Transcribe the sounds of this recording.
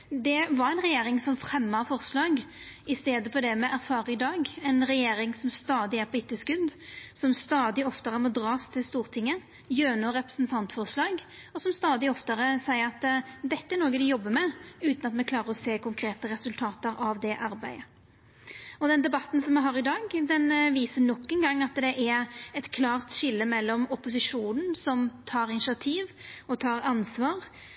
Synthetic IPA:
d̪ɛʋɑɾæɪnʁɛjeːɾɪŋsɔmfɾɛmːɑfɔʁslɑːɡ | ɪst̪eːd̪əfɔɾd̪ɛmɛʔæɾfɑːɾəɪd̪ɑːɡɛnʁɛjeːɾɪŋsɔmst̪ɑːd̪ɪæɾpʰɔɪt̪ːəskʉd̪sɔmst̪ɑːd̪ɪɔft̪əɾəmɔd̪ɾɑːst̪ʰɪlst̪uːʁt̪ʰɪŋːə | jøːnɔɾɛpɾə̥snt̪ʰɑnt̪fɔʁslɑːɡ | ɔsɔmst̪ɑːd̪ɪɔft̪əɾəsæɪəɾɑt̪d̪ɛt̪ːəæɾnoːɡəd̪ɪjɔbːəmɛʉːt̪nɑt̪mɛkʰlɑːɾəɾɔseːkʰʊŋkʰɾeːt̪əɾɛsʉlt̪ʰɑːt̪əɾɑʋd̪ɛʔɑɾbæɪə | ɔd̪ɛnd̪ɛbɑt̪ːn̩sɔmɛɪɦɑːɾɪd̪ɑːɡd̪ɛnʋiːsənɔkːənɡɑŋːɑt̪d̪ɛʔæɾɛt̪kʰlɑːʁt̪ʃɪlːəmɛlːɔmʊpʊsɪʂuːnn̩sɔmt̪ʰɑːɾɪnʃɪɑt̪ʰiːʋɔt̪ʰɑːɾɑnsʋɑːʁ

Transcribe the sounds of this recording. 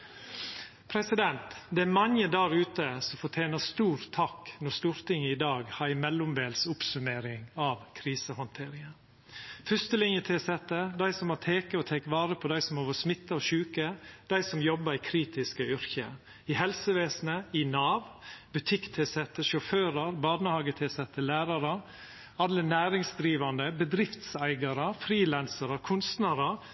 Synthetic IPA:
pʰɾɛsɪd̪ɛnt̪d̪ɛæɾmɑŋəd̪ɑːɾʉːt̪əsɔfɔʈʰjeːnəst̪uːɾt̪ʰːɑknɔst̪uːɾt̪ɪŋːəɪd̪ɑːɡhɑɾɪmɛlːʊmʋeːlsʊpsʉmeːɾɪŋɑʋkʰɾiːsəhɔnt̪ʰeːɾɪŋə | fʏst̪əlɪŋjət̪ʰeːsɛt̪ːəd̪æɪsɔmhɑt̪ʰeːkəɔt̪ʰɛːkʋɑːɾəpʰɔd̪æɪsɔmoːʋəsmɪt̪ːɑɔʃʉːkəd̪̥æɪsɔmjɔbəɾikʰɾiːt̪ɪskəʏɾçə̰ | ɪhɛlsəʋeːsnəɪnɑːʋbʉt̪ʰɪkt̪ʰeːsɛt̪ːəʃɔføːɾɑɾbɑːnəhɑːɡət̪ʰeːsɛt̪ːəlæːɾɑɾə | ɑlənæːɾɪŋsd̪ɾiːʋɑnd̪əbəd̪ɾɪft̪sæɪɡɑɾəfɾiːlænsɑɾəkʰʊnst̪næːɾəɾ

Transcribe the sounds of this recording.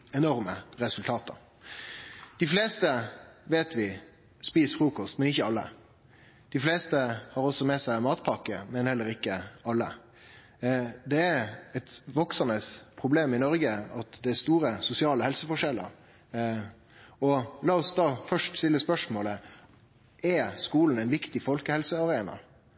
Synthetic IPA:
ɛnɔɾməɾɛsʉlt̪ʰɑːt̪ʰə̰ɾ | d̪̥ɪfleːst̪əʋeːt̪ʋɪ | spiːsfɾuːkɔst̪mɛnɪçːəɑlːə̰ | d̪̥ɪfleːst̪əhɑɾɔsːɔmɛsæɪmɑːt̪pʰɑkːəmɛnhɛlːəɾɪkːəɑlːə̰ | d̪ɛæɾɛt̪ʋɔksənəspʰɾʊbleːmɪnɔɾɡəɑt̪d̪ɛæɾst̪uːɾəsʊsɪɑːləhɛlsəfɔʂɛlːə̰ɾ | ɔlɑːɔsd̪ɑːfœʂʈst̪ɪlːəspœʂmoːlə | ɛskuːln̩æɪnʋɪkt̪ɪfɔlkəhɛlsəɑɾeːnɑ̰

